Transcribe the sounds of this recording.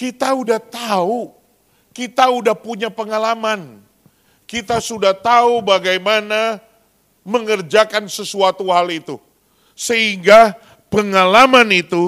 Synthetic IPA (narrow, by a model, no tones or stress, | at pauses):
kit̪audaht̪au | kit̪audahpuɲapəŋalaman | kit̪asudaht̪aubaɡajmana | məŋərd͡ʒakansəsuat̪uhalit̪u | səɦiŋɡa | pəŋalamanit̪u